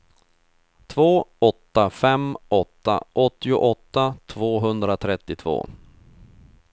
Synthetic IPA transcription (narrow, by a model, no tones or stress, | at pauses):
t̪ʰvoːɔt̪ːafɛmɔt̪ːa̰ʔɔt̪ːɪʊʔɔt̪ːat̪ʰvoːɦɵnd̪ɾat̪ʰɾɛt̪ːɪt̪ʰvo̰ː